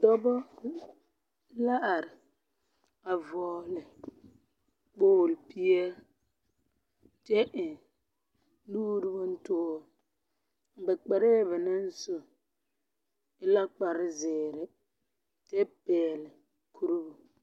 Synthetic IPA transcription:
tɔ˦bɔ˦ | la˦ʔa˨ɾɪ˨ | a˨vɔː˨lɪ˨ | k͡poː˦˨lpi˦jɛ˦ | te˦ʔɪ˨ | luː˦ɾɪ˦bɔ˦n̩˦tʊː˦˨ | bɛ˨k͡pɛ˨ɾe˦˨bɛ˨nɛ˦n̩˦sʊ˨ | ɪ˦la˦k͡pa˨ɾɪ˦zɪː˨ɾɪ˨ | te˦pɛː˨lɪ˨ | kʰu˦ɾu˦bʊ˨

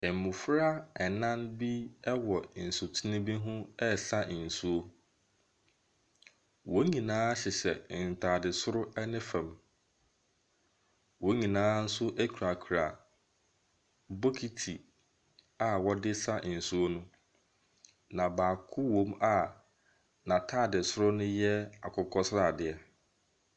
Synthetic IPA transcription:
ɛ˨m˨mʊ̃˨fɾa˦ɛ˨nã˦nbi˦ɛ˦wɔ˨n̩˨su˨tʰi˦nɪ̃˦bi˦ɦʊ̃˦ɛ˦sa˦˨n̩˨su˦o˦ | wo˦ɲĩ˨nãː˦ɕɛ˨sɛ̰˨n̩˨tʰaː˨dɪ˨sʊ˦ɾʊ˦ɛ˦nɪ̃˦fɛ̃˨m | wo˦ɲĩ˨nãː˦n̩˦sʊ˦ʔɛ˦kʰu˨ɾa˨kʰu˨ɾa˨ | bo˦kʰi˦tʰi˨ | a˨wɔ˦dɪ˦sa˦˨n̩˨su˦o˦nʊ̃˦ | nã˨baː˨kʰʊ˦wõ˦ma˨ | nã˨tʰaː˦˨dɪ˨sʊ˦ɾʊ˦nʊ̃˦jɛ˦a˨kʰʊ˨kʰɔ˦sɾa˨dɪ˨ɛ˦

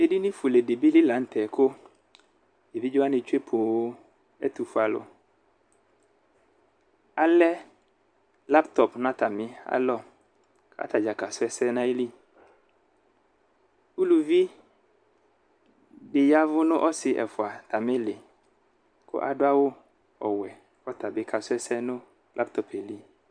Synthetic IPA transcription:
e˦di˦nɪ̃˦fu˨le˨de˨bi˦li˦lã˨˦n̩˦t̪ʰɛ˨kʰʊ˦ | e˨bi˦d͡ʒo˦a˦nɪ˨t͡ʃe˦pʰo˨˦ | ɛ̰˦t̪u˨fa˨lʊ̰˨ | a˨lɛ˦ | la˦pt̪ɔ˨pnã˦t̪a˨mɪ̃˦a̰˦lɔ˦ | kʰa̰˦t̪a˨d͡ʒa˨ka˨sʊ˦ɛ˨sɛ˦nã˦e˦li˦ | u˦lu˨vi˦ | ɖɪ˨ja˦vʊ˦nʊ̃˦ʔɔ˦sɪ˨ʔɛ̰˨fʊ˨a˨t̪a˨mɪ̃˦le˨ | ko̰˦ʔa˨ɖʊ˦a˦wo˦ | ɔ˨wɛ˨ | fɔ˦t̪a˨be˦kʰa˨sʊ˦ɛ˦sɛ˦nʊ̃˦ | lʔa˦p̚t̪ɔ˨pɛ˨li˦

